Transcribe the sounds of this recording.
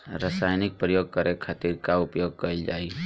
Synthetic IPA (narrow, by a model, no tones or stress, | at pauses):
ɾəsaːjnɪk̚pɾəjoːɡ̚kəɾekʰaːt̪iɾkaʊpjoːɡ̚kəɪld͡ʒaːi